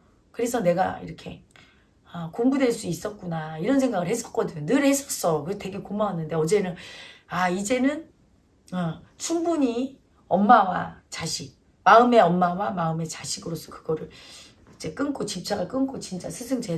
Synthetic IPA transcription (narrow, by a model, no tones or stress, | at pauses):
kɯɾe̞sʰʌne̞ɡa̰ḭɾʌkʰe̞ | ʌkoŋbudwe̞ɭs͈uis͈ʌt̚k͈unaiɾʌnsʰe̞ŋɡaɡɯɭhes͈ʌt̚k͈ʌdɯɲonɯɭhe̞s͈ʌs͈ʌkɯte̞ɡe̞komaɦanːɯnde̞ʌd͡ʑe̞nɯnaid͡ʑe̞nɯn | ʌ | t͡ɕʰumbuɲi | ʌmːawa̰t͡ɕaɕʰi | maɯme̞ʌmːawamaɯme̞t͡ɕaɕʰiɡɯɾos͈ʰʌ̥kɯɡ̥ʌɾɯɭ | id͡ʑe̞k͈ɯnkʰot͡ɕip̚t͡ɕ͈aɡaɭk͈ɯnkʰot͡ɕint͡ɕ͈a̰sʰɯsʰɯŋt͡ɕe